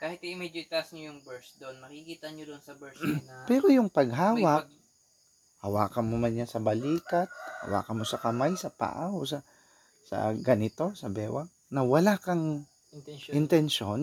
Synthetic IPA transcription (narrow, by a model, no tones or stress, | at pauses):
kaːhɪt̪iʔɪmɛd͡ʒɪt̪ɐsɲojʊŋbɛɹsd̪oʔonmɐkikiːt̪ɐɲod̪oʔnsɐbɛɹspɛːɾojʊŋpɐɡ̚ɦaːwɐk̚ | hɐwaːkɐnmomɐnɲasɐbɐliːkɐt̪̚hɐ̰wa̰ːkɐnmo̞sɐkɐmajsɐpa̰ʔaosɐ | sɐ̰ɡɐnɪt̪o̞sɐbɛːwɐk̚ | nɐwɐlakɐŋ | ʔɪnt̪ɛnʃon